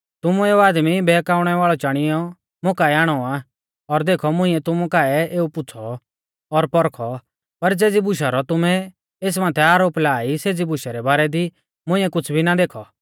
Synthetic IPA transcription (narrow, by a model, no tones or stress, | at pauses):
t̪ʊmueːuaːd̪mibɛːkaːʊɽ̃ɛʋaːɭɔt͡ʃaːɽ̃ɪjɔ | mʊ̃kaːɛaːɽ̃ɔa | ɔɾd̪eːkʰɔmʊ̃ɪ̃ɛt̪ʊmũkaːɛeːupʊt͡sʰɔ | ɔɾpɔɾkʰɔ | pɐɾd͡zeːd͡zibʊʃ̬aɾɔt̪ʊmɛ | eːs̬mãːt̪ʰɛaːɾoːplaːiseːd͡zibʊʃaɾɛbaːɾɛd̪i | mʊ̃ɪ̃ɛkʊt͡sʰbʱinad̪eːkʰɔ